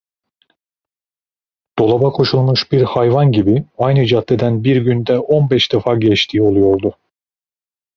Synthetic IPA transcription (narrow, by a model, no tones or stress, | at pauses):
d̪̥o̞lˠabakʰo̞ʃulˠmuʃbiɾhajvanɟibiajnɯid͡ʒat̪ʰːed̪ænbiɾɟynd̪ɛʔo̞nbɛʃd̪ɯfaɾɟɛt͡ʃt̪ʰiːo̞lˠujo̞ɾd̪ʊ